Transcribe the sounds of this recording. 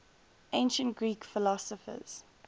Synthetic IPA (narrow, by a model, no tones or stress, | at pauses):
ʔẽɪ̃nʃə̃ntɡɹiːkfɪlɔsəfə̰z̥